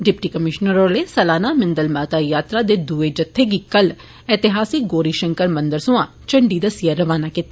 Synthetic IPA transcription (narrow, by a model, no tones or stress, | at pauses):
ɖɪpʈiːkəmɪʃnəɾoːleːsəlaːnaːmɪnd̪əlmaːt̪aːjaːt̪ɾaːd̪eːd̪uːeːd͡ʒət̪ʰːeːɡiːkəl | ɛːt̪ɪɦaːsiːɡoːɾiːʃəŋkəɾmə̃nd̪əɾsʊãː | t͡ʃəɳɖiːd̪asijəɾːəʋaːnaːkɪt̪a